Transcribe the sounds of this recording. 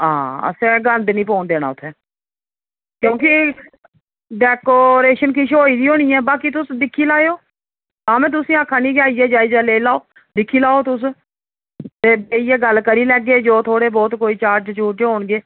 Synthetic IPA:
ã̰ːə̰sɛ̃ːɡənd̪nĩːp̬oːnd̪eːna̰ːʊt̪ʰːɛː | kjõːkɪ | ɖɛːkoːɾeːʃənkɪʃoːiːd̪iːɦoːɽ̃iːɛːbaːkit̪ʊsd̪ɪkʰːiːlaːeoː | t̪ãːmɛ̃ːt̪ʊsĩːãːkʰːaːniːɡjaːiɛːd͡ʒaːiːd͡ʒaːleːlaːoː | d̪ɪkʰːiːlaːoːt̪ʊs̬ | t̪eːbeːijɛːɡəlkəɾiːlɛːɡeːd͡ʒoːt̪ʰoːɽeːbɔːt̪koːiːt͡ʃaːɾd͡ʒt͡ʃuːʈd͡ʒɦoːɳɡeː

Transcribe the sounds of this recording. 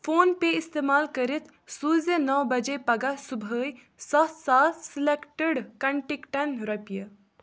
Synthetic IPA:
foːnpeɪst̪eːmaːlkɐɾit̪ʰ | suːzənɔwbɐd͡ʒepɐɡasubʱəːj | sɔt̪saːlsilekʈəɖkɐɳʈikʈɐnɾɐpijə

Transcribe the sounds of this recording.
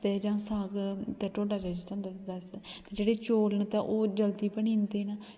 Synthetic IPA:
t̪eːd͡ʒãːsaːɡt̪ɛːʈoːɖaːd͡ʒaːd͡ʒt͡ʃãːnd̪abɛst̪eːd͡ʒeːɽeːt͡ʃoːlnt̪aʔoːd͡ʒəlt̪iːpəɳĩːnd̪eːna

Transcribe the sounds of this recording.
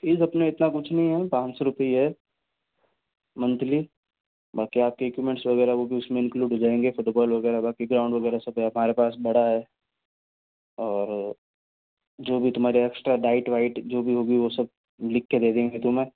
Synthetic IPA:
piːzɐpnẽɪt̪nakʊt͡ʃʰnɐɦĩɦɛpãːt͡ʃsoɾʊpəiɦɛ | mɐ̃nt̪li | bɐlkiaːp̚keekjumɛ̃ɳʈsʋɐɣɛːɾaʋoːbʱiʊsmẽɪ̃nkluːɖʱɦod͡ʒaːẽːŋɡefʊʈbɔːlʋɐɡɛːɾabaːkeɡɾaːʊɳɖʋɐɡɛːɾasɐbɦɐm̤aːɾepaːsbɐɽaɦɛː | ɔːɾ | d͡ʒoːbʱit̪ʊm̤aːɾeɛksʈɾaɖaːɪʈʋaːɪʈd͡ʒoːbʱiɦoːɡiʋosɐb̚ | lɪkʰːed̪eːd̪ẽːŋɡet̪ʊmẽː

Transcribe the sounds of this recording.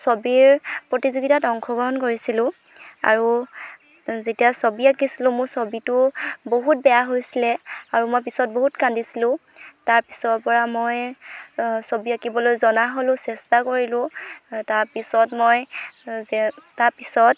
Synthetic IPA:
sobiɹpɹotizuɡitatɔŋkxʰɔɡɹɔɦɔnkoɹisilʊ̃ | a̰ɹu | zetijasobiakisilʊ̃mʊɹsobitʊboɦut̚bɛjaɦojsilɛaɹumojp̬isɔt̚boɦutkandisilʊ̃taɹpisɔɹpɔɹamoj | sobiakibɔlojzɔnaɦolʊ̃sɛstakoɹilʊ̃taɹpisɔtmojzɛtaɹpisɔt̚

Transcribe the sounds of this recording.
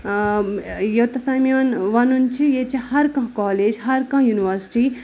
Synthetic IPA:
jewt̪ɐsaːmjonʋɐnunt͡ʃʰijet͡ʃʰihɐɾkɐ̃ɦkɔːleːd͡ʒɦɐɾkɐ̃ɦjuniʋɐɾsi̥ʈi

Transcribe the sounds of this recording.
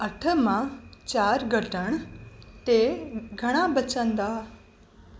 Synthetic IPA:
ɐʈʰəmãt͡ɕaːɾɡʱəʈəɽ̃t̪eɡʱɐɽ̃abət͡ɕə̃nd̪aː

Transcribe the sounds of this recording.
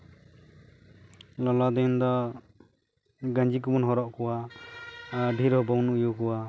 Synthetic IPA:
lɔlad̪end̪ɔ | ɡand͡ʒikubɔnɦɔɾɔʔkʰuwa | bʱiɾɦɔbawnujukuwa

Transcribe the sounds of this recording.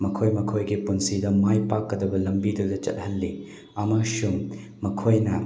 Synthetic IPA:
mɐkʰojmɐkʰojɡipunsidɐmajpakːɐdɐbɐlɐmbidudɐt͡ʃɐ̰t̚hɐlːi | ɐmɐsuŋ | mɐkʰojnɐ

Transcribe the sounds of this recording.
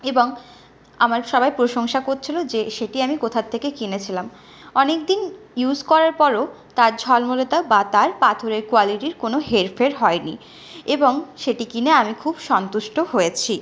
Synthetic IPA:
eboŋ | amaɾʃɔbajpɾoʃoŋʃakoɾt͡ɕʰilod͡ʑeʃeʈiamikot̪ʰat̪ʰːekekinet͡ɕʰilam | ɔnekd̪injud͡ʑkɔɾaɾpɔɾo | t̪aɾd͡ʑʱɔlmolot̪abat̪aɾpat̪ʰoɾeɾkoaliʈiɾkonoɦeɾfʰeɾɦɔenḭ | eboŋʃeʈikineamikʰubʃɔnt̪uʃʈoɦojet͡ɕʰi

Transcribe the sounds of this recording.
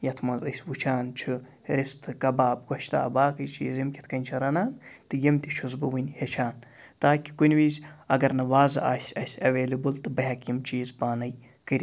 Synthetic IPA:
jɐt̪ʰmɐzɐ̰sʲwut͡ʃʰaːnt͡ʃʰɨ | ɾist̪ʰɨkɐbaːb̚ɡɐʃt̪a̰ːbaːkɨjt͡ʃḭːzimkʲi̥t̪ʰkɐnʲt͡ʃʰɐɾɐnaːnt̪ɨjimt̪ʲiʃʰuzbɨʋɨnʲhet͡ʃʰaːn | t̪aːkʲi̥kunʲwiːzʲɐɡɐɾnɐʋaːzɨ̰ʔa̰ːsʲɐsʲɐʋeːlibɨlt̪ɨbɐɦɐkjimt͡ʃiːzbaːnɐj | kɨɾʲi

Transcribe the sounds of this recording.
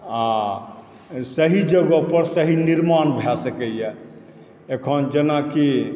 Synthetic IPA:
a | səɦid͡ʒəɡəpəɾsəɦiniɾmanbʱɛsəkɛjɛ | ekʰənd͡ʒenaki

